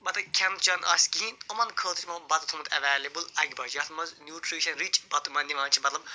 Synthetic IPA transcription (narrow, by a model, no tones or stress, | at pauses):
mɐt̪ɐkʲʰɛnt̪t͡ʃɐnɐ̰ːskiĩnomɐnkʰəːt̪ʰi̥t͡ʃmɐbɐt̪ut̪ʰumɐt̪ʰɛʋaːlʲebɨlɐɡʲibɐd͡ʒɐt̪ʰmɐznʲjuːʈʰɾiːʃɐnɾit͡ʃbɐt̪umɐnd̪iʋãːt͡ʃʰimɐt̪lɐb̚